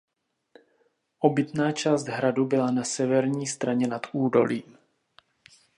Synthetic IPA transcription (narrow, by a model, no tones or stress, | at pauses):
ʔobɪt̪naːt͡ʃaːsd̪ɦɾadubɪlanasɛvɛɾɲiːst̪ɾaɲɛnat̪ʔuːdo̞̰lḭːm